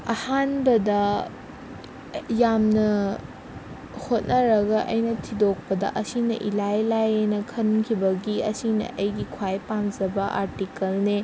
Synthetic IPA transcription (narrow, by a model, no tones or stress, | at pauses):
ɐ̰hanbɐdɐ | jamnɐ | hot̚nɐɾɐɡɐʔɐ̰jnɐtʰidok̚pɐdɐ̰ʔɐsinɐʔilajlajenɐkʰɐnkʰibɐɡiɐsinɐ̰ʔɐjɡikʰwajpamzɐbɐʔa̰ɾtikɐlne